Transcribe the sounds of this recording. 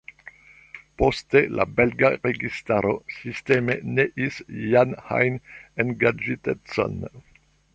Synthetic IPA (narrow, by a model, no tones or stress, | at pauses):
postela̰belɡaɾeɡistaɾosiste̞meneʔisjanha̰jnenɡad͡ʒitet͡so̰n